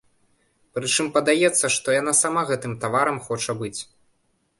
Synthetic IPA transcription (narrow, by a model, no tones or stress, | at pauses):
pɾɨt͡ʂɨmpɐd̪ajɛt̪sːɐʂt̪ɔjan̪asamaɣɛt̪ɨmt̪avaɾɐmxɔt͡ʂɐbɨt͡sʲ